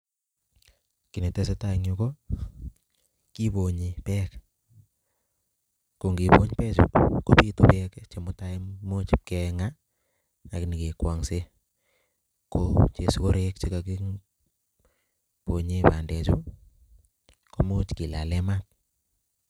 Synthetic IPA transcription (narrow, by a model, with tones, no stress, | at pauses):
ki˨ne˨te˦se˦ta˦ŋu˦ko˦ | ki˦po˨ɲi˨pɛ˦k | ko˨ŋɡi˨po̰˦ɲ˦pɛ˦t͡ʃṵ˨ko˦pi˦to˨pɛ˦kt͡ʃe˨mʊ˦ta˦i˦mo˦t͡ʃkɛ˧ŋa˦ | a˨kɪ˦ni˨ke˨kwa˨ŋse˦ | ko˦t͡ʃe˨sko˦ɾe˦k̚t͡ʃe˦ka˨ki˦ | po˨ɲe˦pa˨ndɛ˨t͡ʃu˦ | ko˨mo˦t͡ʃki˨la̰˨lɛ˦ma˦k̚